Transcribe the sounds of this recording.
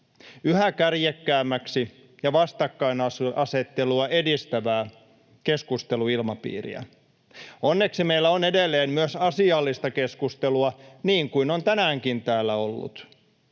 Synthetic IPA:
yhækærjekːæːmːæksi | jɑʋɑst̪ɑkːɑinɑsɑset̪ːeluɑʔe̞dist̪æʋæː | keskust̪eluilmɑpḭːrḭæ̰ | onːeksimeilːæonedelːeːmmyøsɑsiɑlːist̪ɑkeskust̪eluɑniːŋkuinont̪ænæːŋkint̪æːlːæo̞lːṵt̪

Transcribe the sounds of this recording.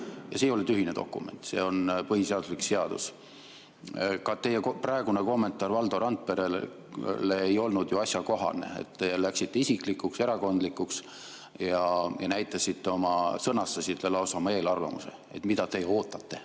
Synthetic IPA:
jɑsejolet̪yɦine̞d̪o̞̰kːˑṵme̞̰nt̪se̞̰ːo̞npɤɦiseɑd̪uslikse̞ɑd̪̥ṵs | kɑt̪e̞jːekprɑeɡ̥uneko̞mːe̞nt̪ːˑɑːrvɑld̪̥o̞ɾɑnt̪̚pe̞ɾe | leejo̞lnud̪̥juɑsʲjɑko̞ɦɑ̰ne̞̰ḛt̪ːelæksit̪ːe̞isikˑlikːˑukse̞ɾɑko̞nd̪likːuks | jɑjɑnæjt̪ːˑɑsit̪ːe̞o̞mɑsɤnːɑst̪ɑsit̪lːelɑwsɑmɑe̞ːlɑrvɑ̰muse̞̰e̞̰t̪ːˑmid̪̥ɑt̪e̞jo̞ːt̪ːˑɑt̪ˑːe̞

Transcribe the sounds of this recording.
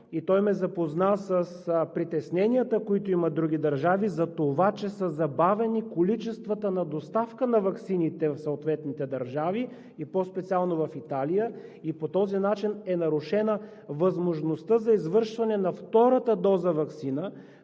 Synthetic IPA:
it̪ɔjmɛzɐpoznasəspɾit̪ɛsnɛnijət̪əkoit̪ʊimɐd̪ɾuɡ̟ʲid̪ɐɾʒavizɐt̪ovat͡ʃɛsəzɐbavɛnikolit͡ʃɛst̪vət̪ənɐd̪ost̪afkənɐvɐksinit̪ɛfsoot̪vɛt̪nit̪ɛd̪ɐɾʒavi | ipɔspɛt̪sialˠnovɐfit̪alijəipot̪ɔzinat͡ʃinɛnɐɾuʃɛnə | vɐzmoʒnost̪əzɐizvɤɾʃvɐnɛnɐft̪ɔɾət̪əd̪ɔzəvɐksinə

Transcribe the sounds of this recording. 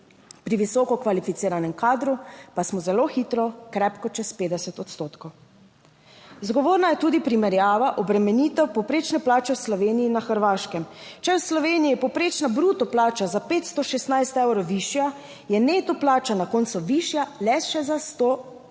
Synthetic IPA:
pɾiʋisɔkɔkʋalifit̪siːɾanɛmkaːd̪ɾupasmɔzɛloːxit̪ɾɔkɾɛpkɔt͡ʃɛspeːd̪ɛsɛt̪ɔt̪st̪oːt̪kow | zɡɔʋoːɾnajɛt̪uːd̪ipɾimɛɾjaːʋaʔɔbɾɛmɛniːt̪ɛwpɔwpɾeːt͡ʃnɛplaːt͡ʃɛwslɔʋeːniinaxəɾʋaːʃkɛmt͡ʃɛwslɔʋeːnijiːɛpɔwpɾeːt͡ʃnabɾut̪ɔplaːt͡ʃazapeːt̪st̪ɔʃɛst̪najst̪ɛwɾɔʋiʃja | jɛnet̪ɔplaːt͡ʃanakɔːnt̪suʋiʃjalɛʃɛzast̪oː

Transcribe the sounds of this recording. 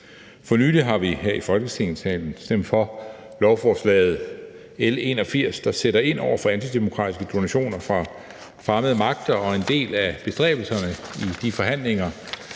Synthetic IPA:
fɒ̽nyːliɦɑ̈ʋiɦeɐ̰ifɒ̽lɡ̥əsʰeŋnsɛ̰ːln̩sd̥em̰̥fɒ̽ | lɒʊfɒːslɛ̰ːð̩ˠ | ele̝nɒ̽fiɐ̰sd̥ɑ̈seɾɐe̝n̰ʔɒʊ̰ɐfɒ̽ænt͡sʰid̥e̝mo̝kʰʁɑ̈ːd̥isɡ̥əd̥o̝næɕo̝̰ːnɐfʁɑ̈ | fʁɑ̈məðˠəmɑ̈ɡ̥̚d̥ɐɒ̽e̝nd̥e̝̰ːlæb̥e̝sd̥ʁɛ̰ːb̥l̩sɐnəid̥ifɒ̽ɦæn̰le̝ŋɐ

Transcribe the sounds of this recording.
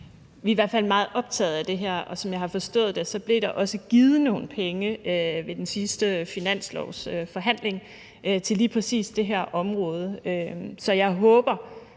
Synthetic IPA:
ʋiʋæɐ̰̥fæl̰mɑ̈ːð̩ˠʔɒ̽b̥̚t͡sʰɛ̰ːð̩ˠæd̥e̝ɦæɐ̰ʔɒ̽sɒ̽mjɑ̈ɪhɑ̈fɒ̽sd̥ɔ̰̽ːð̩ˠd̥e̝sɒ̽b̥le̝ɾ̥ɑ̈ʔɒ̽səɡ̥ið̞ˠəno̝̰ːn̩pʰeŋəøʋe̝d̥ensisd̥əfinæn̰slɒ̰ʊsøfɒ̽ɦæn̰le̝ŋ | t͡sʰe̝liːpʰʁɛsḭːsd̥e̝ɦæɐ̰ʔɒ̽mʁɔ̽ːð̞ˠəøsɒ̽jɑ̈ɪɦɔ̽ːb̥ɐ

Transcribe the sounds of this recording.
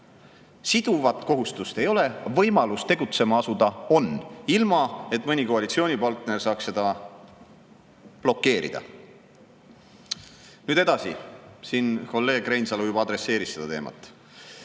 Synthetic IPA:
sid̪̥uvɑt̪ːˑko̞ɦust̪ust̪e̞jo̞le̞vɤ̞jmɑlust̪e̞ɡut̪se̞mɑɑsud̪̥ɑo̞nilmɑe̞t̪ːˑmɤnʲikoɑlit̪sio̞ːnʲipɑlt̪ne̞rsɑːksse̞d̪̥ɑ | b̥lo̞kːe̞ːɾḭd̪̥ɑ̰ | nyːd̪̥e̞d̪ɑsḭsiːnko̞lːe̞ːɡ̥rejnsɑlujubɑɑd̪ɾe̞sːe̞ːɾisse̞d̪ɑ̰t̪e̞ːmʔɑ̰t̪ːˑ

